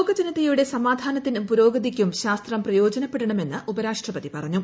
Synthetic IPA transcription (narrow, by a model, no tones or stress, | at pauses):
ɡɐd͡ʑɐnɐt̪ːijuɽe̞sɐmaːd̪ʱaːnɐt̪ːinumpuɾo̞ːɡɐd̪ikʲːumɕaːst̪rɐmprɐjo̞ːd͡ʑɐnɐpːe̞ɽɐɳɐme̞nːɨʔubɐɾaːʂʈrɐpɐðipɐrɐɲːu